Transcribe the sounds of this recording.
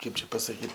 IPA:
ˈkɐɪp t͡ʃʲɛ pɐsɐˈkʲiːt

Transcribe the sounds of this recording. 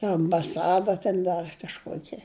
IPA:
ɪr ɐmbɐˈsɑːdɐ tʲɛn ˈdɐr kɐʃˈkuɔkʲɛ

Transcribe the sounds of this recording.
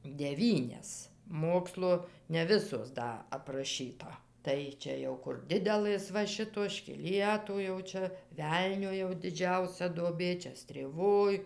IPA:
dʲɛˈʋʲiːnʲɛs ˈmoːkslˠoː nʲɛ ˈʋʲɪsoːs ˈdɐ ɐprɐˈʃʲiːtɐ ˈtɐɪ t͡ʃʲɛ ˈjɛʊ kʊr ˈdʲɪdʲɛlˠɘs ʋɐ ˈʃʲɪtoːs ʃʲkʲɪˈlʲiɛtʊ jɛʊ ˈt͡ʃʲɛ ˈʋʲɛlʲnʲoː jɛʊ dʲɪˈd͡ʒʲɛʊsʲɛ duɔˈbʲeː ˈt͡ʃʲɛ sʲtʲrʲeːˈʋoːj

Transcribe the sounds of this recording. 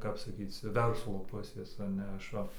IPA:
ˈkɐp sɐˈkʲiːt͡s ˈʋʲɛrslˠoː ˈpʊsʲeːs ɐ ˈnʲɛ ˈɐʃ ˈʋɐ

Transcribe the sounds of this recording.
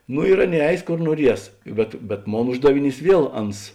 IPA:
nʊ ɪr ˈɑːˌnʲeːɪ ˈɛɪs ˈkoːr nuɔˈrʲiɛs bʲɛt bʲɛt ˈmoːn ˈʊʒdɐʋʲɪˌnʲiːs ˈʋʲiɛlˠ ˈɐns

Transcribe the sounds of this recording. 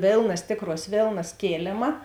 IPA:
ˈʋʲeːlˠnɐs ˈtʲeːkˌruɔs ˈʋʲeːlˠnɐs ˈkʲeːlʲeːmɐ

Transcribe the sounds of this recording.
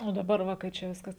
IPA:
oː dɐˈbɐr ˈʋɐ kɐɪ ˈt͡ʃʲɛ ˈʋʲɪskɐs

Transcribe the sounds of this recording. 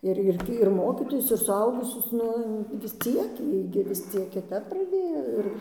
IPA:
ɪr ˈɪrʲɡʲɪ ɪr ˈmoːkʲiːtoːjʊs ɪr sʊˈɐʊɡʊsʲʊs ˈnʊ ʋʲɪs ˈt͡sʲiɛk ˈjiɛ ɡʲɪ ʋʲɪs ˈt͡sʲiɛk kʲɪˈtɐp prɐˈdʲeːjoː ɪr

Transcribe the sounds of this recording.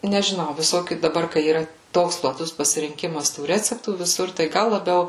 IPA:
nʲɛʒʲɪˈnɐʊ ʋʲɪˈsoːkʲuː dɐˈbɐr kɐɪ iːˈrɐ ˈtoːks plˠɐˈtʊs pɐsʲɪrʲɪŋʲˈkʲɪmɐs tuː ˈrʲæːt͡sʲɛptuː ʋʲɪˈsʊr tɐɪ ˈɡɐlˠ lˠɐˈbʲɛʊ

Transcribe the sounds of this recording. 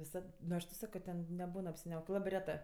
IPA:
ʋʲɪˈsɐt nʊ ˈɐʃ tɐʊ ˈsɑːkoː ˈtʲɛn nʲɛˈbuːn ɐpʲsʲɪˈnʲɛʊkʲeː ˈlˠɑːbɜ ˈrʲæːtɜ

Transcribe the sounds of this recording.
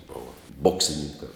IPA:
ˈboːʋɐ ˈboːksʲɪnʲɪnʲɪŋkɐ

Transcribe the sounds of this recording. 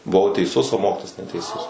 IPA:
bʊˈʋɐʊ tʲɛɪˈsʊs oː ˈmoːkʲɪtoːjɛs nʲɛtʲɛɪˈsʊs

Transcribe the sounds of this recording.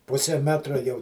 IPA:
ˈpʊsʲɛ ˈmʲæːtrɐ jɛʊ

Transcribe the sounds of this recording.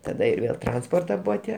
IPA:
ˈtɑːdɐ ɪr ˈʋʲeːlˠ ˈtrɐnspoːrtɐ ˈbʊʋɐ ˈtʲiɛ

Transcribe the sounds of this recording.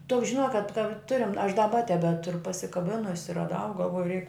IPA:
toːks ʒʲɪˈnoːk kɐt kɐ ˈtʊrʲɪm ɐʃ dɐˈbɐ tʲɛbʲɛˈtʊrʊ pɐsʲɪkɐˈbʲɪnʊsʲɪ rɐˈdɐʊ ɡɐlˠˈʋoːjʊ rʲɛɪk

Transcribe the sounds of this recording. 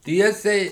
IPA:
ˈtʲiɛsʲɛɪ

